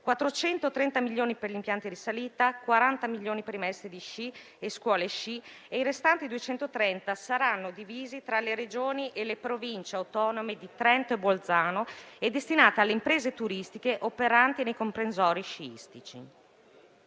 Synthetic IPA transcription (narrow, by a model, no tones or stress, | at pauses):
kwat̪ːɾot͡ʃɛnt̪ot̪ɾɛnt̪amilʎːoːniperʎimpjant̪iɾisaliːt̪akwaɾant̪amiʎːoːnipeɾimɛst̪ɾid̪iʃi | eskwɔːleʃi | ejɾest̪ant̪id̪uet͡ʃɛnt̪ot̪ɾɛnt̪asaɾanːod̪iviːzit̪ɾaleɾed͡ʒoːniʔelepɾovint͡ʃeawt̪ɔːnomed̪it̪ɾɛnt̪oebold̪zaːnoed̪ːest̪inaːt̪ealːeimpɾeːzet̪uɾist̪ikeʔopeɾant̪inejkompɾensɔːɾiʃiḭst̪it͡ʃḭ